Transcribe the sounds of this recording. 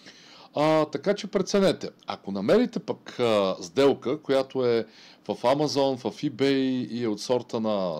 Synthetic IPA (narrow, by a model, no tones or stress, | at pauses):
at̪ɐkat͡ʃɛpɾɛt̪sɛnɛt̪ɛa̰konɐmɛɾit̪ɛpakzd̪ɛlˠkəkojat̪oɛvɐfamɐzɔnvɐfibɛjiot̪sɔɾt̪ənɐ